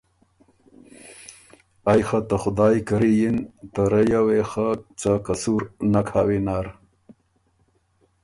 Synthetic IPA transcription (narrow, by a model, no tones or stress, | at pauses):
ajxat̪axʊd̪aːjkɐɾijint̪aɾejawexat͡sakasuɾnakʰaːwinaːɾ